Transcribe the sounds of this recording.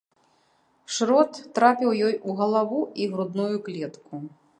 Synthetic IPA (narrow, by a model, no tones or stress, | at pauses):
ʂɾɔt̪ːɾapʲiwjɔjuɣɐlˠavuiɣɾud̪nujuklʲɛt̪ku